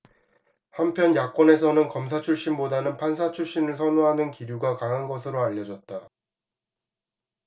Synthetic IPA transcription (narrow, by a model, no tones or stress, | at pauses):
hampʰjʌnjak͈̚ʌne̞s̬ʰʌnɯnkʌmsʰat͡ɕʰuɭɕ͈imbodanɯnpʰansʰat͡ɕʰuɭɕ͈inɯɭsʰʌnoɦanɯnkiɾjuɡakaɦanɡʌs̬ʰɯɾoaʎːʌd͡ʑʌt̚t͈a